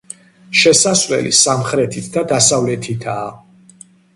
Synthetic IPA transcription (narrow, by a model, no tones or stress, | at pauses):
ʃɛsasvɛ̰lḭsamχɾɛt̪ʰit̪ʰd̪ad̪asavlɛt̪ʰit̪ʰaː